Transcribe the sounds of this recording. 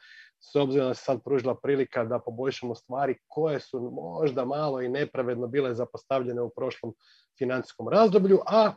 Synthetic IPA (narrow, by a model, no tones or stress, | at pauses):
so̞bziɾod̪ase̥sad̪̚pɾuːʒilˠapɾiːlikad̪apo̞bo̞ʎʃamo̞st̪ʋaːɾiko̞je̞sumoʒd̪amaːlˠo̞ine̞pɾaʋe̞d̪no̞biːle̞zapost̪aʋʎe̞neupɾo̞ʃlˠo̞m | finant̪i̥sko̞mɾazd̪o̞bʎuʔa